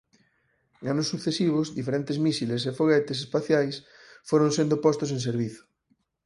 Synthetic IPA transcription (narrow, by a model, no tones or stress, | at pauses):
ŋanosːuθesiβ̞ozðifeɾẽnt̪ezmisilesefoɣ̞ɛt̪es̬espaθjajs | foɾõnsẽnd̪opɔst̪osẽŋseɾβiθo̥